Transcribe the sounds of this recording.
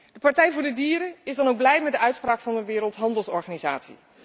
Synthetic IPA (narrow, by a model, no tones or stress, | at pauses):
d̥əpɑɹtɛjvʊːɹdədiːɾəɪzdɑnowɡ̚blɛjmɛt̚dəœɥtspraːkfɑndəʋɪːɾəlˠtɦɑndəlˠsɔɹχaːniza̰ːtsḭ